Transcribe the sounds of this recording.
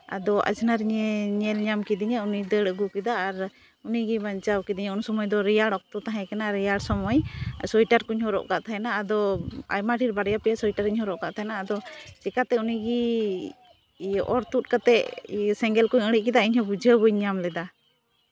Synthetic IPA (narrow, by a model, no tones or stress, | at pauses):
a̰d̪ɔʔa̰d͡ʒnaɾiɲɛɲɛlɲamkid̪iɲaunid̪əɽəɡukɛd̪aːɾ | uniɡibaɲt͡ʃawkid̪iɲəunsɔmɔjd̪ɔɾijaɽɔk̚t̪ɔt̪aɦɛ̃kɛnaɾijaɽsɔmɔjsɔjʈaɾkuɲhɔɾɔ̰ʔka̰ʔt̪ʰaɦɛnaːd̪ɔa̰jmaʈʰiɾbaɽjapɛjasɔjʈaɾiɲhɔɾɔʔkaʔt̪ʰaɦɛnaːd̪ɔt͡ʃɛkat̪ɛuniɡi | ʔɔɾt̪ut̪̚kat̪ɛʔsɛŋɡɛlkuɲəɽiʔ̚kɛd̪aiɲhɔbud͡ʒəbujɲamlɛd̪a